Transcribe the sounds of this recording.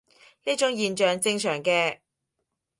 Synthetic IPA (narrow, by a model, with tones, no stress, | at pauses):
niː˥t͡ʃʊ˥ŋjiː˨˧nt͡ʃœː˨ŋt͡sɪ˧ŋsʰœː˨˩ŋkɛː˧